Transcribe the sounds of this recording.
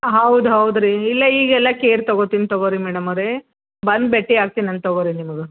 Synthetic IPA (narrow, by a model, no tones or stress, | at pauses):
ɦɐwd̪uɦɐwd̪ɾiːilːɐiːɡɛlːɐkeːɾt̪ɐɡoːt̪int̪oɡoːɾimɛːɽɐmɐɾe | bɐnd̪beʈːiaːɡ̚t̪inɐnt̪̚t̪ɐɡoːɾinimɐɡe